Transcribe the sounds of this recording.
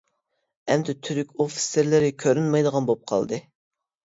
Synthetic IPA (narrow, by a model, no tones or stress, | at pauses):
ɛmd̪ɪt̪ʰyɾykʲofi̥sɪɾlɪɾɪkʲʰøɾynmɑjd̪əʁɑnbop̚qʰɑ̰lˠd̪ɨ